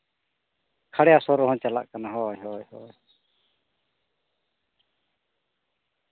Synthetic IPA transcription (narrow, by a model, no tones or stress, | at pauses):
kʰaɽɛjasɔɾɔɦɔ̃t͡ʃala̰ʔkanaɦɔjɦɔjhɔj